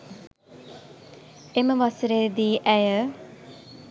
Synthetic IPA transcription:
eməʋasəɾeːd̪iːʔɛjə

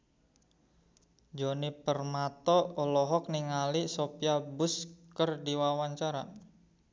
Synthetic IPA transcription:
d͡ʒonipərmat̪ɔːlɔɦɔk̚niŋalisopiabʊskərdiwawaɲt͡ʃaɾa̰

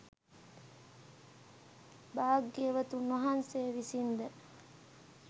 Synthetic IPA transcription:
baːɡeʋɐt̪unoɦanseːʋisind̪ə

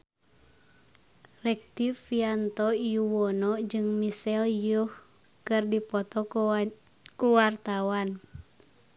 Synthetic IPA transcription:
rɛk̚t̪ifiant̪ɔijuwɔnɔd͡ʒɨŋmisɛljuh | kɨrdipɔt̪ɔ | kuwart̪awan

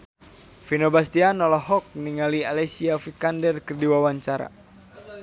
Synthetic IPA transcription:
finobast̪ianɔlɔɦɔk̚niŋalialɛsiafikandɛrkɨrdiwawaɲt͡ʃaɾa̰

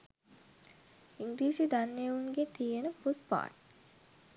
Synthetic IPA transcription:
iŋɡliːsid̪anːejʋuŋɡet̪ijenəpuspa̰ːʈ

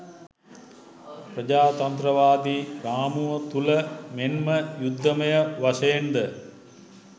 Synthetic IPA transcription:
prəd͡ʒaːt̪ɐnt̪ɾəʋaːd̪iːɾaːmuʋət̪uləmenməjud̪ːəməjəʋasɐjend̪ə

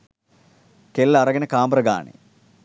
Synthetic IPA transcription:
kelːɐrɐɡɐnɐkaːmbrɐɡa̰ːɳḛ

